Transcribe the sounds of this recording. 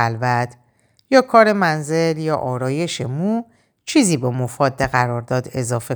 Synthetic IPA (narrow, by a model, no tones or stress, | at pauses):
lvæt̪ʰ | jɒːkʰɒːɾe̞mænze̞ljɒːʔɒːɾɒːje̞ʃe̞muː | t͡ʃʰiːziːbemofɒːd̪ːeɣæɾɒːɾd̪ɒːd̪e̞zɒːfe̞